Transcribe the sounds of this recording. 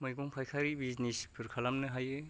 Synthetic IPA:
mɯjɡɔŋpʰajkʰaɾibiznispʰɯɾkʰalamnɯɦaje

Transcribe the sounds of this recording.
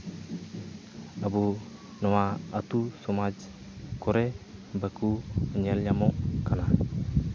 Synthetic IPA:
abu | nɔwaat̪usɔmad͡ʒ | koɾebakuəɲɛlɲamokana

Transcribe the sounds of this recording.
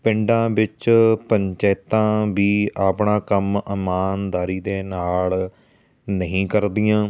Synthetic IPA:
pɪɳɖãːʋɪt͡ʃpəɲt͡ʃɛːt̪ãːʋiːaːpɳaːkəməmaːnd̪aːɾiːd̪eːnaːl | nəɦĩːkəɾd̪ɪjãː

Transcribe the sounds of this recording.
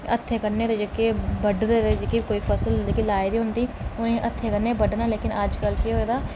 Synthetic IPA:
ət̪ʰːeːkəɾneːd̪eːd͡ʒəkeːbəɖd̪eːd̪eːd͡ʒəkikoːiːpʰəsəld͡ʒekelaːed̪iːɦʊnd̪iː | ʊnẽːʔət̪ʰːeːkəɾneːbəɖnaːleːkɪnəd͡ʒkəlkeɦoːeːd̪aː

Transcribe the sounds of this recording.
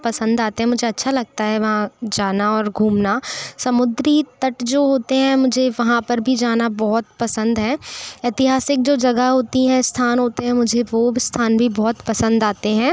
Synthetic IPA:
pɐsə̃nd̪aːt̪ẽɦɛ̃mʊd͡ʒʱeɐtːʃʰalɐɡ̚t̪aɦɛʋɐɦãd͡ʒaːnaɔːɾɡʱuːmnasɐmʊd̪ɾit̪ɐʈd͡ʒoːɦoːt̪eɦɛ̃mʊd͡ʒʱeʋɐɦãpɐɾbʱid͡ʒaːnabɔɦʊt̪pɐsə̃nd̪ɦɛːeːt̪ɪɦaːsɪk̚d͡ʒoːd͡ʒɐɡəɦoːt̪iɦɛ̃st̪ʰaːnɦoːt̪eɦɛ̃mʊd͡ʒʱeʋost̪ʰaːnbʱibɔːt̪pɐsə̃nd̪aːt̪eɦɛ̃ː

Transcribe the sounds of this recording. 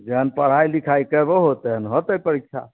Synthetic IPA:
d͡ʒeɦənpəɽ̤ajlikʰaikəboɦot̪eɦənɦot̪əjpəɾikʃʰa̰

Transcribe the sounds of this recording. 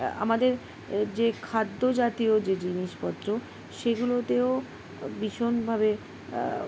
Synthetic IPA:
a̰mad̪eɾ | d͡ʑekʰad̪ːod͡ʑat̪iod͡ʑed͡ʑiniʃpɔt̪ːɾo | ʃeɡulot̪eo | biʃonbʱaβe

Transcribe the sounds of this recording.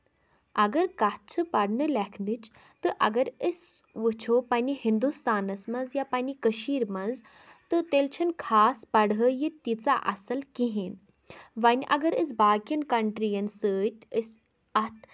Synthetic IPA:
ɐɡɐɾkɐt̚t͡ʃʰɨpɐɽnɨlɛkʰnɨt͡ʃ | t̪ɨʔɐ̰ɡɐɾəs | ʋɨt͡ʃʰoːpɐnʲihind̪ust̪aːnɐsmɐzjapɐnʲikəʃiːɾmɐnz | t̪ɨt̪elt͡ʃʰɐnkʰaːspɐɽɦəjit̪it͡saʔɐsɐlkiɦin | ʋɐnʲʔɐ̰ɡɐɾəs̬baːkjɐnkɐɳʈɾijɐnsəːt̪ʲəs | ɐt̪ʰ

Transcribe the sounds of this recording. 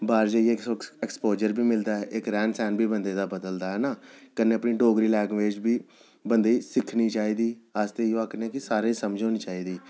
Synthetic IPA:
baːɾd͡ʒaːiekɛkspoːd͡ʒəɾbiːmɪld̪aːɦɛːʔɪkɾɛ̃ːɳsɛːnbʱiːbənd̪eːd̪aːbəd̪əld̪aːɦɛːnaːkəneːəpniːɖoːɡɾiːlɛ̃ːɡʋeːd͡ʒbiː | bənd̪eːsɪkʰniːt͡ʃaːiːd̪iːaːst̪eːjoakneːkɪsaːɾeːsəmd͡ʒʱoːniːt͡ʃaːiːd̪iː

